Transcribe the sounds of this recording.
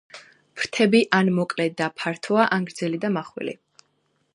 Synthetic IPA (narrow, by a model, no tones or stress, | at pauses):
pʰɾt̪ʰɛbiʔanmɔkʼlɛd̪apʰaɾt̪ʰɔaʔaŋɡɾd̪zɛlid̪amaχwḭlḭ